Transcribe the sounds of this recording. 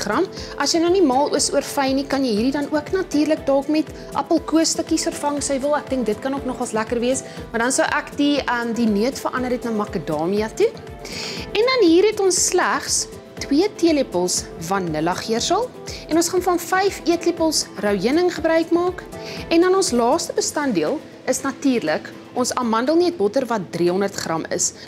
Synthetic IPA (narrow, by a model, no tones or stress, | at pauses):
χrɐmʔɐsjəjnɐnimɑːlˠuəsuərfɐjnikɐnjəjɦiːɾidɐnuəknɐtiːrlək̚dɔːkmɛt | ʔɐ̰pəlˠkuəstəkisərfɐŋsəjvəlˠæk̚dəŋk̚dətkɐnuəknɔχɐlˠslækərviəsmɐdɐnsəwʔækdiəmdinuətfərʔɐndəɾɦɛtnɑmɐkədɑːmiɐtu | ɛndɐnɦiːrɦɛtɔnsːlæχs | twiətiəlepəlˠsvɐnnːəlɐχiərsəlˠ | ɛnɔ̃nsχɑnfɐnfɛjfiətlipəlˠsrəwjənəŋχəbɾœɥkmɑːkɛndɐnɔnslɑːstəbəstɐndiəlˠ | əsnɐtiːrlək | ʔɔnsɐmɐndəlˠniət̚bɔtərvɐt̚driəɦɔndərtχrɐmə̰s